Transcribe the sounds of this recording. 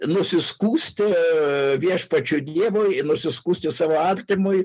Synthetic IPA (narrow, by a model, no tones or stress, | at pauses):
nʊsʲɪskuːsʲt̪ʲɪʋʲiɛʃpɐt͡ʃʲʊd̪ʲiɛʋoːjnʊsʲɪskuːsʲt̪ʲɪsɑːʋoːɐrʲt̪ʲɪmʊɪ